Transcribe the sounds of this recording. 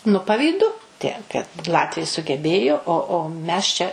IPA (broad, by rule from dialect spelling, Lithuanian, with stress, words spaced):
nʊ pɐʋʲiːˈdʊ ˈtʲiɛk kɐt ˈlˠɑːtʲʋʲɛɪ sʊɡʲɛˈbʲeːjoː oː oː ˈmʲɛs t͡ʃʲɛ